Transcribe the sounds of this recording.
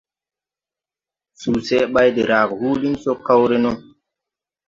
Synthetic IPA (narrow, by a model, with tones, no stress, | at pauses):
su˨sɛ˦ɓa˦jde˨ɾa˨khuː˦li˦mso˦ka˦wɾe˦no˦